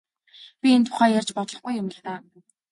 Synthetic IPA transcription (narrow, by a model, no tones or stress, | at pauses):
pʲient̪ʰʊ̥χæːjarʲt͡ɕpɔt̪ɮɞ̆χɡujʊmɪ̆xt̪aː